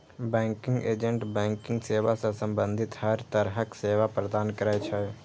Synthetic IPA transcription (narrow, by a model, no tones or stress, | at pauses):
bɛ̃ːŋkɪ̃ŋɡeːd͡ʒə̃ɳʈbɛ̃ːŋkɪ̃ŋɡseːʋasẽsə̃mbə̃nd̪ʱɪt̪həɾt̪əɾɦəkseːʋapɾəd̪aːnkəɾaːet͡ʃʰə